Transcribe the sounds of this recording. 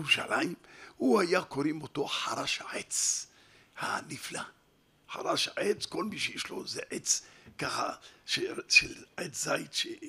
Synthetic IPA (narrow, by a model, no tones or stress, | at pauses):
uʃa̰lʔaimhuhajakoɾimot̪oħaɾaʃaʕet͡s | ha̰nifla | ħa̰ɾaʃaʕet͡skolmiʃejeʃlo̞zeʕet͡skaχa̰ʃeʃelʕet͡szajt̪ʃe